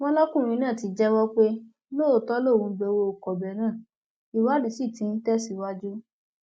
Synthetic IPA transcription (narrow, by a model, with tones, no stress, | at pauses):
w̃ɔ̃˦lɔ˦kũ˦˨ɾ̃ĩ˧˦nãː˦˨ti˧˦d͡ʒɛ˦wɔ˦k͡pe˦ | loː˦˨tɔ˦lo˦˨wũ˧˦ɡ͡be˧wo˧o˨kɔ˨bɛ˨nã˦˨ | i˨wa˦di˨si˦˨tĩ˧˦n̩˦tɛ˦si˦wa˦d͡ʒu˦